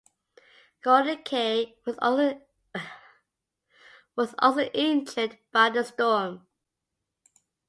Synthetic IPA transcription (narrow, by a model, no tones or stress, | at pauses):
ɡ̥ɔɾəkʰeɪw | wɒzɔ̰soʔɛ̃nt͡ʃəd̚b̥aɪðəstɔːm